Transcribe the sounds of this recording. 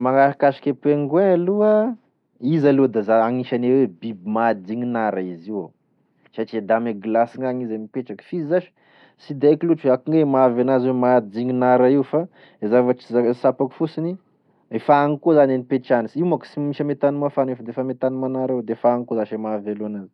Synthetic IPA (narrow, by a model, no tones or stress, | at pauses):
maŋaɾakaʃi̥kʲepeŋɡwealuə | izalud̪azaaŋiʃanewebibimad̪iŋinaɾaiziw | saʈ͡ʂied̪ameɡlasiŋaŋizemipeʈ͡ʂakfizizaʃi̥ | sid̪ajkiluʈ͡ʂakuŋemavanazwemad̪iŋinaɾaiwfa | ezavaʈ͡ʂi̥zasapaku̥fusini | efaŋikozanenipeʈ͡ʂanisimaki̥simiʃəmet̪anumafanefd̪eefamet̪anumanaɾawed̪eefaːŋkozaʃemavaluanazi̥